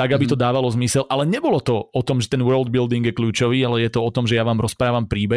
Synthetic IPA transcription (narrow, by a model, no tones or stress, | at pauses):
t̪aɡabit̪ɔd̪aːʋalɔzmisɛlʔalɛɲɛbɔlɔt̪ɔɔt̪ɔmʒɛt̪ɛnwɜːld̪̚bild̪iŋɡjɛkʎuːt͡ʃɔʋiːalɛjɛt̪ɔɔt̪ɔmʒɛjaʋaːmɾɔspɾaːʋampɾiːbɛ